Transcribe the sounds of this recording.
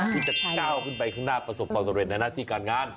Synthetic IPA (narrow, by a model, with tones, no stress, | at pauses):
t̪ʰiː˥˩t͡ɕa˨˩kaː˥˩wkʰɯː˥˩npa˧jkʰɯ˥˩ŋnaː˥˩pɾa˧so˨˩p̚kɔː˧˩t̪ːe˧˩na˧naː˥˩t̪ʰiː˥˩kaː˧nŋaː˧˥˩n